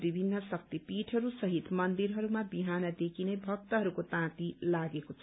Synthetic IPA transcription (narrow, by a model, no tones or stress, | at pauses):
bibʱinːʌsʌk̚t̪ipiʈʰʌɾusʌɦit̪mʌnd̪iɾɦʌɾumabiɦanʌd̪ekʰinejbʱʌk̚t̪ʌɦʌɾukot̪ãt̪ilaɡekot͡sʰʌ